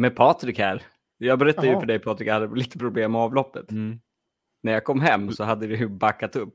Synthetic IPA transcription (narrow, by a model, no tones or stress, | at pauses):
mɛpʰɑːt̪ɾɪkhæɾ | jɑːɡbɛɾɛt̪ːad̪jɵfœɖɛjpʰɑːt̪ɾɪkhad̪ːəliːt̪ə̥pʰɾʊbleːmːɛɑːvlɔpːət̪ | næɾjaːkʰɔmːɦɛmːsɔɦad̪ːəd̪ɛjɵbakːat̪ɵpː